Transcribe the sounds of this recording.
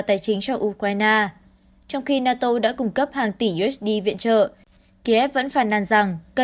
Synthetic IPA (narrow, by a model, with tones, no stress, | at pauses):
t̪aː˨˩jt͡ɕï˨˦ŋ̟sɔ˧wʔu˧kwaː˧jnaː˧ | t͡ɕɔ˧wŋ͡mxi˧naː˧t̪o˧ɗa̰ː˧˥kʊ˧˩ŋ͡mkə˦˥p̚haː˨˩ŋt̪i˧˩ʔu˧ʔɛ˦˥sɗi˧vḭ˧˨ənt͡ɕə̰ː˧˨ | ki˧ʔɛ˦˥p̚və̰˧˥nfaː˧˩nːa˧nza˨˩ŋkə˧